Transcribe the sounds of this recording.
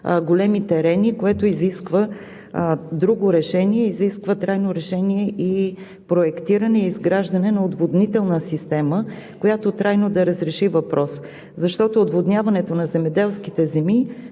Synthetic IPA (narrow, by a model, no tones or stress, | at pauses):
ɡolɛmit̪ɛɾɛnikoɛt̪oiziskvə | d̪ɾuɡoɾɛʃɛniɛiziskvət̪ɾajnoɾɛʃɛniɛʔi | pɾoɛkt̪iɾənɛiizɡɾaʒd̪ɐnɛnɐod̪vod̪nit̪ɛlˠnəsist̪ɛməkojat̪ot̪ɾajnod̪ɐɾəzɾɛʃivɐpɾʔɔs | zɐʃt̪ɔt̪oːd̪vod̪nʲjavɐnɛt̪onɐzɛmɛd̪ɛlˠskit̪ɛzɛmi